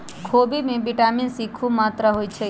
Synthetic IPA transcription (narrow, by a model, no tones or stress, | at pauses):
kʰobimẽbiʈaminsikʰʋũmat̪ɾəɦojt͡ʃʰe